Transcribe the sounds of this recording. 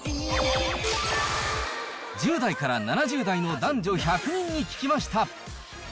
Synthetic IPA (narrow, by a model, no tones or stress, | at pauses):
d͡ʑɨːd̪aikaɾananaʑɨːd̪aino̞d̪ãɲd͡ʑo̞çakɯ̟ɲ̟ĩɲ̟ːikʲi̥kʲimaɕi̥t̪a